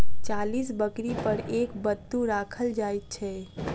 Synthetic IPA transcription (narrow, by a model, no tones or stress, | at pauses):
t͡ʃalisbəkɾipəɾekbət̪ːuɾakʰəld͡ʒaːjt̪̚t͡ʃʰɛ